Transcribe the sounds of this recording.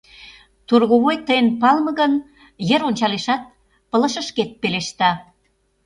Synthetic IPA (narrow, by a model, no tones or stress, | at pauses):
t̪urɣoβojt̪əjənpɑlmə̆ɣən | jeɾonʲt͡ɕɑleʃɑt̪̚ | pələ̆ʃə̆ʃket̪̚peleʃt̪ɑ